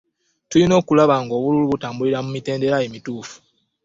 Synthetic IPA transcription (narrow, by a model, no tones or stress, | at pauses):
tulino̞ːkulaβaŋɡo̞ːβululuβutaːmbuliɾamumite̞ːnde̞ɾajemituːfu̥